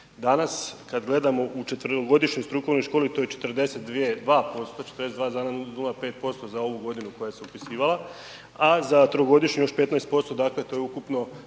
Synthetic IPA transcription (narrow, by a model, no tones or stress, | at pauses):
d̪anaskad̪ɡle̞d̪amo̞ʔut͡ʃe̞t̪ʋɾoɡo̞d̪iʃɲo̞jst̪ɾuko̞ʋno̞jʃko̞ːlit̪o̞ːjet͡ʃe̞t̪rd̪e̞se̞t̪̚d̪ʋije̞d̪ʋaːpo̞st̪ot͡ʃe̥t̪ɾd̪esetd̪ʋaːzaːnanulˠape̞ːt̪̚po̞st̪o̞zao̞ʋuɡo̞d̪inuko̞jajseupisiːʋala | azat̪ɾoɡo̞d̪iʃɲjo̞ʃpe̞t̪naest̪̚po̞st̪od̪aːkle̞t̪o̞jeukupno̞